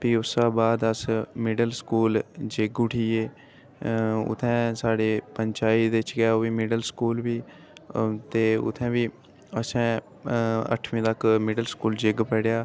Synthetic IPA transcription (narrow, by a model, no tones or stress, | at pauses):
piːʊsãːbaːd̪əsmɪɖəlskuːld͡ʒeɡʊʈʰiːeː | ʊ̰t̪ʰːɛ̃ːsaːɽeːpəɲt͡ʃaːid̪eɪt͡ʃɡaːoːʋiːmɪɖəlskuːlʋiː | t̪eːʊ̰t̪ʰːɛ̃ːʋiː | əsɛ̃ː | ə̰ʈʰʋĩːt̪əkmɪɖəlskuːld͡ʒɪɡpɛɽjaː